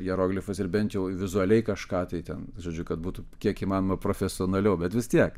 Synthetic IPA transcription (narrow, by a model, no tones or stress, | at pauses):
jɛɾoːɡlʲɪfɐsɪɾbʲɛnt̪jɛʊʋʲɪzʊɐlʲɛɪkɐʃkɑːt̪ɐɪt̪ʲɛnʒoːd͡ʒʲʊkɐt̪buːt̪ʊkʲiɛkiːmɑːnomɐpɾoːfʲɛsʲɪɔːnɐlʲɛʊbʲɛt̪ʋʲɪst̪ʲiɛk